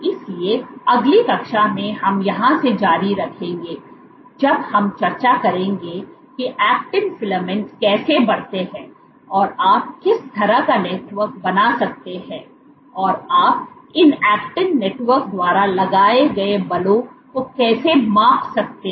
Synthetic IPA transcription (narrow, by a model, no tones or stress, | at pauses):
ɪslieɐɡlikɐkʃamẽɦɐmjɐɦãsed͡ʒaːɾiɾɐkʰẽːŋɡeː | d͡ʒɐbhɐmt͡ʃɐɾt͡ʃakɐɾẽːŋɡekiʔɛːk̚ʈɪ̃ŋfɪləmɛ̃ɳʈskɛːsebɐɽ̤t̪eɦɛ̃ː | ɔːɾaːp̚kɪst̪ʰɐɾakaneːʈʋəɾk̚bɐnasɐk̚t̪eɦɛ̃ː | ɔːɾaːp̚ɪnɛːk̚ʈɪ̃ŋneːʈwəɾkd̪waːɾalɐɡaːeɡɐebɐlõkokɛːsemãːfsɐk̚t̪e